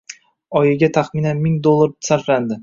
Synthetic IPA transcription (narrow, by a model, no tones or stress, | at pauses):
ɒjɪɡʲat̪ʰaχminanmɪŋd̪olˠːaɾsaɾfland̪ɪ